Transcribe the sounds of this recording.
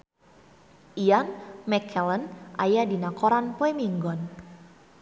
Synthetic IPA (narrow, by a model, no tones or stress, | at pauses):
ʔijanmɛkʰɛlənʔa̰jadinakɔɾanpoemiŋɡɔn